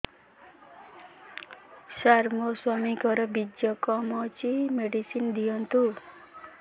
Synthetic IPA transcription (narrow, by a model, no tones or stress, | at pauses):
saɾmɔswamikɔɾɔbid͡ʒjɔkɔmɔt͡ʃimeɖisind̪ijɔnt̪u